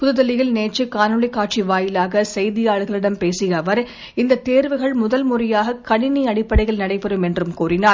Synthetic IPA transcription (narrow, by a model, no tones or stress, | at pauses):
pʊðɯðɐlɪjɪlneːt͡ʃːɯkaːnɯɭɐɪkːaːʈ̚t͡ʃiʋaːjɪlaːɣɐsɛjðɪjaːɭɯɣɐɭɪɽɐmpeːsɪjɐʋɐɾ | ɪnd̪ɐt̪eːɾʋɯɣɐɭmʊðɐlmʊrɐjaːɣɐkɐɳɪniɐɽɪpːɐɽɐɪɣɐɭnɐɽɐɪpɐɾɯmɛndrɯmkuːrɪnaː